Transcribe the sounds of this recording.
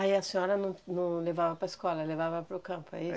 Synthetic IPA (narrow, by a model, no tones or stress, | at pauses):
aiɐsĩɲɔɾɐnɐ̃w̃nɐ̃w̃levavɐpɾɐɪskɔlɐlevavɐpɾʊkɐ̃mpʊa̰i